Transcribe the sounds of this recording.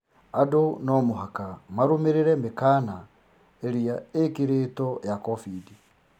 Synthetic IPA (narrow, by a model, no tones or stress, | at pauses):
adonɔmoɦakamaɾomeɾeɾɛmekaːna | eɾiaekiɾetɔjakɔfidi